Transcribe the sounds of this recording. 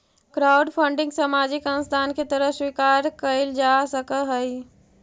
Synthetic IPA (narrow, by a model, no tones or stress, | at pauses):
kɾaːʊɖpʰə̃ɳɖɪ̃ŋɡsəmaːd͡ʒɪkə̃nst̪ʰaːnket̪əɾəɦswikaːɾkəɪld͡ʒaːsəkəɦəi